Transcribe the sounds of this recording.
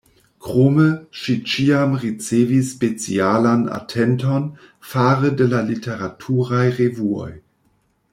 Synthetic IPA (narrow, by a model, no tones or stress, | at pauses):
kʁoməʃit͡ʃiamʁit͡seːvisːpet͡sḭalana̰tʰɛnton | faɾədelalitʰeʁatʰuʁajʁevuo̰j